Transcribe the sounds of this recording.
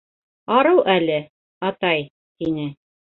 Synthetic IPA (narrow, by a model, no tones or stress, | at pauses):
ɑɾɤwʔælɘ | ɑt̪ɑj | t̪inɘ